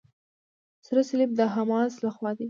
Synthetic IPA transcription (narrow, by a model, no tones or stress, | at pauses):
sɾasɪlib̚d̪əɦamɑslaxwɑd̪e